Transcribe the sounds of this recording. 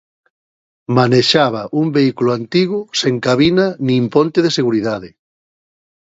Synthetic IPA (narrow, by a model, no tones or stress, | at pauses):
maneʃaβaʔumbeikulʊant̪iɣʊseŋkaβinanĩmpont̪eðeseɣuɾiðaðe